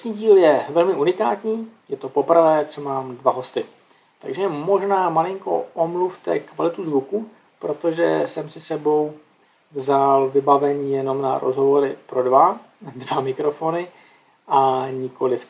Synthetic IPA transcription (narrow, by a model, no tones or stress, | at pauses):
ɛʃɲiːɟiːljɛvɛlmɪʔunɪkaːt̪ɲiːjɛt̪o̞po̞prvɛːt͡sɛmaːmdvaɦo̞st̪ɪ | t̪a̰ɡʒɛmo̞ʒnaːmalɪŋko̰ʔomluft̪ɛkvalɪt̪uzvuku | pɾo̞t̪o̞ʒɛsɛmsɪsɛbo̞w | vzalvɪbavɛɲiːjɛno̞mna̰ɾʔo̰zɦovo̞ɾɪpɾo̞dva | dvamɪkɾo̞foːnɪ | ʔaɲɪko̞lɪf